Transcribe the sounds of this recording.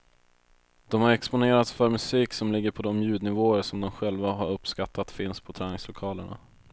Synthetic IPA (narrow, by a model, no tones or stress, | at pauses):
d̪̥ɔmhaɾɛkspʊneːɾat̪sfœɾmɵsiːksɔmlɪɡːəɾpʰɔd̪ɔmjʉ̟ːd̪nɪvoːəɾʂɔmd̪ɔmɧɛlvaɦaɾɵpːskat̪ːat̪fɪnspʰɔt̪ʰɾɛːnɪŋslʊkʰɑːləɳa̰